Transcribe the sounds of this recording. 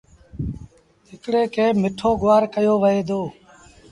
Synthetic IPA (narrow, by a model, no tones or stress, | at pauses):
ɪkɽeːkeːmɪʈʰoːɡʊʋaːɾkəjoːʋəɦeːd̪oː